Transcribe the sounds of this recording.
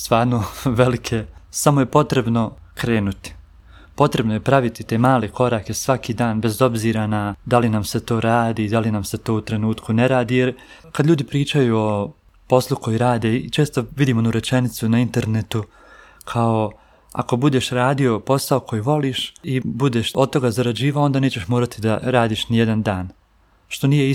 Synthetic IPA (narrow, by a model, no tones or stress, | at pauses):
st̪ʋaːɾnoʋe̞likʰe̞samojepo̞t̪ɾe̞bno̞ | kɾe̞ːnut̪i̥ | po̞t̪ɾe̞bnojepɾaʋit̪it̪e̞ːmaːleko̞ɾaːke̞sʋakiːd̪aːnbe̞zo̞bziːɾanad̪alinamset̪o̞ːɾaːd̪iːd̪alinamse̞t̪o̞ːut̪ɾe̞nuːt̪kune̞ɾaːd̪iːjeɾkad̪lʎuːd̪ipɾiːt͡ʃajuo̞ | po̞slˠuko̞jiɾaːd̪e̞it͡ʃe̞ːst̪o̞ʋid̪iːmonuɾe̞t͡ʃe̞nit̪sunaint̪e̞ɾne̞t̪u | kʰao̞ | a̰ko̞bud̪e̞ːʃɾaːd̪io̞po̞saokʰo̞jiʋo̞liːʃibud̪eʃo̞d̪̚t̪o̞ɡazaɾad͡ʑiːʋaoo̞nd̪aːne̞ːt͡ɕe̞ʃmoːɾat̪id̪aɾaːd̪iːʃnijed̪and̪aːn | ʃt̪o̞nijei